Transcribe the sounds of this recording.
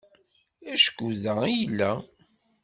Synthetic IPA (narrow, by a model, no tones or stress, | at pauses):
æʃkuðæijəlːæ